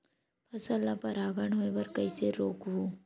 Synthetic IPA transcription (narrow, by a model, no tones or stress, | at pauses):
pʰɐsəlːapɐɾaːɡəɳɦoebɐɾkɐiseɾoːkɦuː